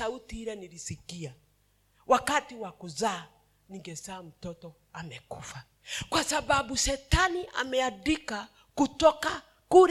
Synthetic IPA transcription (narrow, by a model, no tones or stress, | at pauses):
autiiɾaniɾisikia | wʔakatiwakuzaː | niŋɡɛsaːm̩tɔtɔ | amɛkufa | kwasababusɛtaniʔa̰mɛadika | kutɔka | kuɾ